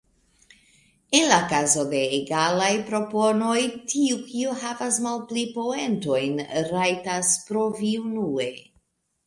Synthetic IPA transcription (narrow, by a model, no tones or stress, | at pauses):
enlakazo̞de̞ːɡalajpɾo̞po̞no̞jtʰiukioɦavasmalplipo̞e̞nto̞jnɾajtaspɾo̞viunue̞